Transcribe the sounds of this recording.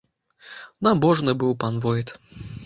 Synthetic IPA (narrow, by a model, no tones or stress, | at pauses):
nabɔʐnɨbɨwpanvɔjit̪